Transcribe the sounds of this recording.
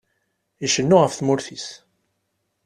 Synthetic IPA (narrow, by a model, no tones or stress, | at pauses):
iʃənːʊʁəfθmʊɾθis